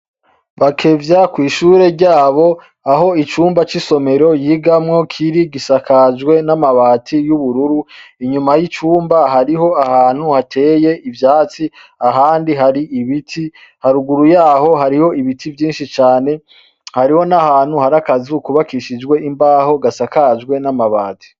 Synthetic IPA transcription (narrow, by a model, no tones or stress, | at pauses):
βakʰe̞vjakwiːʃuːɾe̞ɾɟaːβo̞ | aɦo̞it͡ʃuːmbat͡ʃiso̞me̞ɾo̞jiːɡamŋo̞kʰiɾiɡisakʰad͡ʒwe̞namaβaːtʰijuβuɾuɾuiɲumajit͡ʃuːmbaɦaɾiɦo̞ahaːn̥huhatʰe̞ːje̞ivjaːt͡siaɦaːndiɦaɾiiβitʰi | haɾuɡuɾujaːho̞ɦaɾiho̞iβitivjiːnʃit͡ʃaːne̞ | haɾiho̞nahaːn̥huhaɾakazikuβakiʃid͡ʒwe̞ʔimbaːho̞ɡasakad͡ʒɡwe̞namaβaːtʰi̥